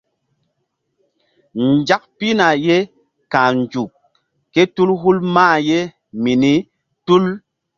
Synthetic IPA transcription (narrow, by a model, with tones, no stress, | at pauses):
nd͡ʒa˦k̚pi˦na˨je˦ | kã˨nd͡ʒu˨kː | e˦tu˦lɦu˦lmaː˦˨je˦ | mi˨ni˦ | tu˦l